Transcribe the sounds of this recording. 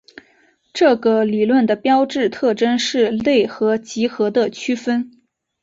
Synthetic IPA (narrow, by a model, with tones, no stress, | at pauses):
ʈ͡ʂɤ˥˩ɡə˩li˨˩lwə˥˩nd̪ə˩pjɑ˥ʊʈ͡ʂɻ̩˥˧t̪ʰɤ˥˩ʈ͡ʂə˥nʂɻ̩˥˧le˥˩ɪxɤ˧˥t͡ɕi˧˥xɤ˧˥d̪ə˧t͡ɕʰy˥fə˥n